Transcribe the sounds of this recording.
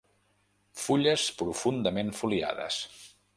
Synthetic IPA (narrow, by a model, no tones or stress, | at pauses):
fuʎəspɾufund̪əmenfulia̰ðə̰s